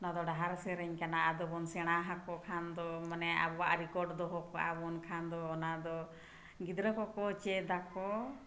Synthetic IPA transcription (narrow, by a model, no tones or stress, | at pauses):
ɔnad̪ɔɖaɦaɾsɛɾɛɲkanaʔad̪ɔbɔnsɛɽ̃aɦakɔkʰand̪ɔmanɛa̰bɔwaʔɾikɔɖd̪ɔɦɔkɔʔa̰bɔnkʰand̪ɔːnad̪ɔ | ɡid̪ɾəkɔkɔt͡ʃɛd̪akɔ